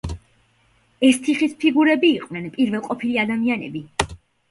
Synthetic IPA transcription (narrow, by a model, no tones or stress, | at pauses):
ɛst̪ʰiχispʰiɡuɾɛbiːqʼwnɛnpʼiɾvɛlˠqʼɔpʰiliad̪amianɛbi